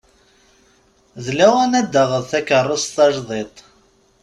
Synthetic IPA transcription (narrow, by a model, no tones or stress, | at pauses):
ðlæwænæd̪ːəʁəðθækərˤːəst̪ɑʒðˤet̪ˤ